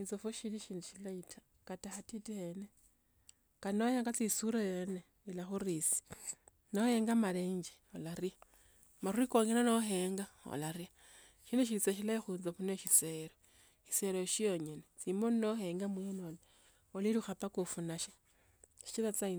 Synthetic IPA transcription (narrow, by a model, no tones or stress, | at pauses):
int͡sofuʃiɾiʃiːnduʃilaitʰḁ | kataxatitihene | kanojaŋɡat͡sisuɾojene | ilaxurisi̥ | noheːŋɡamaleːɲd͡ʒi̥ | o̰laɾia | maruikoŋinonoɦeːŋɡao̰laɾia | ʃiːnuʃ̬iɾit͡saʃ̬ilaixunzaβunoʃiseːɾo | ʃi̥se̞ɾoʃijoɲenet͡simonoheːŋɡamwenole | oliɾuxapakufunaʃe | ʃi̥t͡ʃilat͡sai